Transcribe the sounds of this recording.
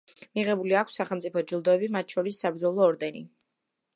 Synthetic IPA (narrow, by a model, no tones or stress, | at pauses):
miʁɛbuliakʷʰsːaχɛlˠmt̪sʼipʰɔd͡ʒilˠd̪ɔɛbimat̪̚ʃʰɔɾisːabɾd̪zɔlˠɔːɾd̪ɛnḭ